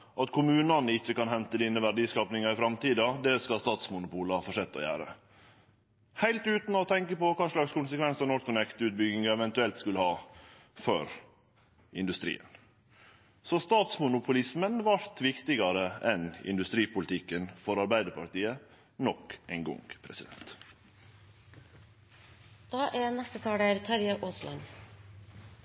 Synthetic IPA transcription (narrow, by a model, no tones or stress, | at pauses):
ʔɑt̪kʰʊmʉːnɑnəɪçːəkɑnhɛnt̪əd̪inəʋæɖiːskɑːpnɪŋɑɪfɾɑmt̪iːd̪ɑd̪ɛskɑst̪ɑːt̪smʊnʊpuːləɑfɔʂɛt̪ːɔ̰jæ̰ːɾə̰ | hæɪlt̪ʉːt̪nɔt̪ʰɛŋkəpɔkɑːʂlɑkskʰʊnsəkʰʋɛnsənɔɾkʰːʊnɛkt̪əʉːt̪̚bʏɡɪŋɑɛʋɛnt̪ʉɛlt̪skʉləhɑː | føɾ | ɪnd̪ʉst̪ɾḭːə̰n | sɔst̪ɑːt̪smʊnʊpʰʊlɪsmənʋɑɾt̪ʋɪkt̪ɪɡɑɾəɛnɪ̰nd̪ʉst̪ɾiːpʰʊlɪt̪ʰɪkːənfɔɾɑɾbæɪd̪əɾpɑɾʈ̪iːə | nɔkæɪnɡɔ̰ŋɡpʰɾɛsɪd̪ɛ̰nt̪ | d̪̥ɑːʔænɛst̪ət̪ʰɑːɽæːɾt̪ʰɑɾjəʔoːslɑ̰n